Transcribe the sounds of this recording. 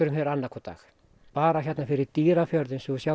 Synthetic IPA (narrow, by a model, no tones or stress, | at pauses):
ʏɾʏmhɛɾanːakʰɔt̪a̰ːx | paːɾaçjɛt̪nafɪɾɪɾt̪iːɾafjœɾðɪnsusja